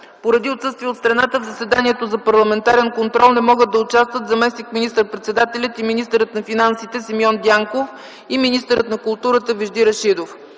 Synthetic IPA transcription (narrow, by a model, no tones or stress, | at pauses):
poɾɐd̪iot̪sɤst̪viɛot̪st̪ɾɐnat̪əvzɐsɛd̪aniɛt̪ozɐpɐɾlˠɐmɛnt̪aɾɛnkont̪ɾɔlˠnɛmɔɡəd̪ɐʊt͡ʃast̪vət̪zɐmɛsnikminist̪ɾət̪̚pɾɛt̪sɛd̪at̪ɛlʲət̪iminist̪əɾət̪nɐfinansit̪ɛsimjɔnd̪ʲaŋkof | iminist̪əɾət̪nɐkʊlˠt̪uɾət̪əviʒd̪iɾɐʃid̪of